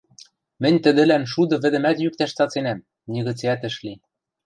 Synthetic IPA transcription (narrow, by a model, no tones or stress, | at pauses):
mɘ̆nʲt̪ɘ̆d̪ɘ̆lænʃud̪ɤ̆βɘ̆d̪ɘ̆mæt̪jyk̚t̪æʃt͡sɑt͡senæm | nʲiɣɘ̆t͡seæt̪ɘ̆ʃli